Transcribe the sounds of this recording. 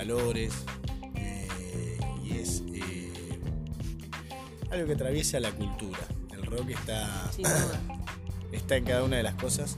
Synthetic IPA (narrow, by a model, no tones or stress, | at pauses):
lo̞ɾese | ḭese | alɣo̞keat̪ɾaβje̞salakult̪uɾaelro̞kehst̪a | eht̪aeŋkaðaunaðelahko̞sas